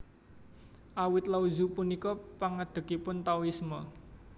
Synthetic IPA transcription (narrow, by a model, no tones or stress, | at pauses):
ʔawɪt̪lauzupunikɔpaŋad̪̥ə̤kipʊnt̪awismɔ